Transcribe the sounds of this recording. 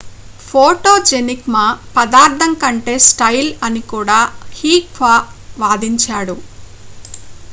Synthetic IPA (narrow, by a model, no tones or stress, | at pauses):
pʰoːʈoːd͡ʒenikmapɐd̪aːɾd̪ʱɐŋkɐɳʈe̞ːsʈɐjlɐnikuːɽaːhiːkʋaːʋaːd̪iɲt͡ʃaːɽu